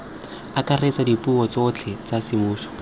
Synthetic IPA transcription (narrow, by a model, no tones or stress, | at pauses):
akaret͡sadipuɔt͡sot͡ɬʰɛt͡sasɪmuːsɔ̥